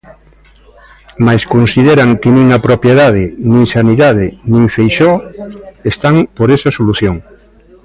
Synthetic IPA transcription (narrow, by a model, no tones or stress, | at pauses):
majskõnsiðeɾaŋkenĩŋapɾopjeðað̞ɪnĩŋsaniðað̞enĩŋfejʃɔ | est̪aŋpoɾesasoluθjoŋ